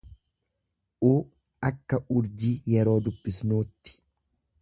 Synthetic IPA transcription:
ʔuː | ɐkːɐʊɾd͡ʒiːjɛɾo̞ːd̪ʊbːɪsnuːt̪ːɪ̥

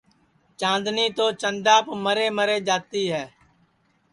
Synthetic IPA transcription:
t͡ʃãːnd̪niːt̪oːt͡ʃənd̪ãːpəməɾeːməɾeːd͡ʒaːt̪iːɦɛː

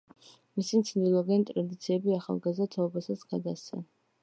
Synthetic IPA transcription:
misimt̪sʰnd̪ilˠɔɡɛnt̪ʼɾad̪it̪sʰiɛbiaχa̰lˠɡazd̪at̪ʰaɔbasasɡ̥ad̪asɛ̰

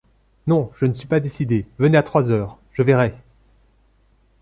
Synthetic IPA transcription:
nɔ̃ʒ̥ənəsɥipad̪esid̪evəneat̪χwazœːʁ | ʒ̥əvɛʁɛ

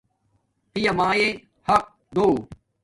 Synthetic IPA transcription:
pijɐmaːjẽ | hɐq̚ | d̪oː

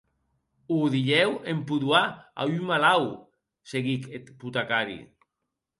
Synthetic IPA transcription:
uðiʎewempuðwaa̰ymalaw | seɣiket̪put̪akaɾḭ

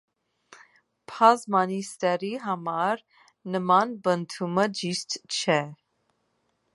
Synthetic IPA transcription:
pʰɑzmɑnist̪ɛɾiɦɑmɑɾ | nəmɑnbənt̪ʰuməd͡ʒiʃt̪t͡ʃʰɛ

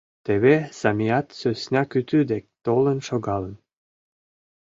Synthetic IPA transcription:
t̪eβesɑmijɑt̪søsʲnʲɑkyt̪yd̪ek̚t̪olənʃoɡɑlˠən

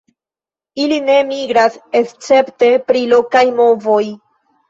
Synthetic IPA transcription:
iline̞miɡɾasest͡se̞pte̞pɾilo̞kajmo̞vo̞j

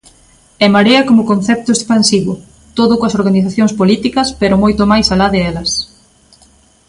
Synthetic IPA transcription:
ɛmaɾeɐkomʊkonθɛp̚t̪ʊespansiβʊ | t̪oðʊkoɐsoɾɣaniθaθjoŋspolit̪ikɐspeɾʊmojt̪omajsalaðɪɛlɐs

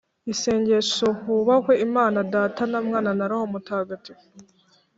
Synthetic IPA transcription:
ise̞ːɲɟe̞ʃo̞kuβakwe̞imaːnadaːtanamŋaːnanaɾaho̞mutaɡati

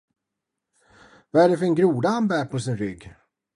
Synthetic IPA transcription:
vɑæɖɛfœɾɛnɡɾuːd̪aanbæːɾpʰɔsɪnɾʏɡː

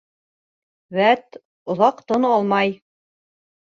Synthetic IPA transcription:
wæt̪ | ŏðɑqt̪onɑlˠmɑj

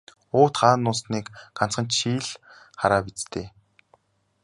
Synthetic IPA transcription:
ʊːt̪χaːnʊːsniːkɢan̥t͡sχə̆nt͡ɕʃiːɮ | χaɾaːpit͡st̪ʰeː

